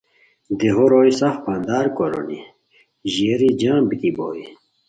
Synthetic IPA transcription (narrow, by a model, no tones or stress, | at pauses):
d̪eɦoɾoːjsɐfpand̪aːɾkoɾo̰ni | ʑiːɾid͡ʑãːbit̪ibo̰ːi